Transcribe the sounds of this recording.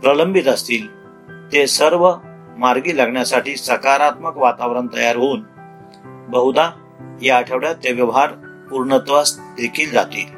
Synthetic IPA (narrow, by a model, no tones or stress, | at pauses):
pɾələmbʱit̪əst̪iːl | t̪esəɾʋə | maɾɡiːlaɡɳjasaʈiːsəkaɾat̪məkʋat̪aʋɾəɳt̪əjaɾɦoːn | bəɦud̪a | ɦjaːʈʰəʋɽjat̪ːeʋjəʋɦaɾpuɾɳət̪ʋast̪d̪ekʰiːld͡za̰t̪ḭːl